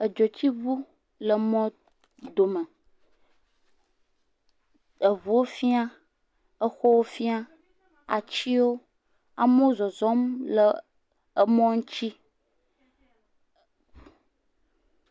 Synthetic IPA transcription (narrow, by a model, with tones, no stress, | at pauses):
ə˨d͡ʒo˨t͡ɕi˦βu˦ | lə˨mɔ̃˦ | d̪o˨mə̃˨ | ə˨βu˨wo˦fi˦a˦ | ə˦xɔ˦wo˦fi˦a˦ | a̰˨t͡ɕi˦wo˦ | a̰˨mə˦o˦zɔ˨zɔ˦mlə˨ | ə˦mɔ̃˦ŋ̩̃˦t͡ɕi˦